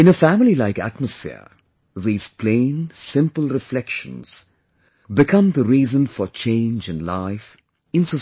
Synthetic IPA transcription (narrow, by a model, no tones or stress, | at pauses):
ɨ̃ñəfæmlilaɪkæ̰t̚məsfɪ̰ɹ | ðiːz̥pʰl̥ẽɪ̃nsɪ̃mpəl̩ˠɹɨflɛkʃə̰̃nz̥ | bɨkʰʌ̃mðəɾiːzə̃nfə˞t͡ʃʰẽɪ̃nd͡ʒɨ̃nlaɪf | ɨ̃nsə